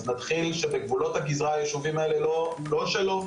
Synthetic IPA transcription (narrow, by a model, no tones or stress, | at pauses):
znat̪χilʃebeɡvulo̞t̪haɡizʁaːjeʃuvimaele̞lo | lo̞ʃelo